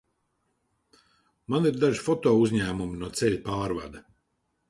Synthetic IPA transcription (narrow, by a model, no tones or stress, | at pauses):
maniɾd̪aʒifɔt̪ɔːuzʲɲæːmumʲinuɔt̪sɛʎʲpaːɾva̰d̪ɐ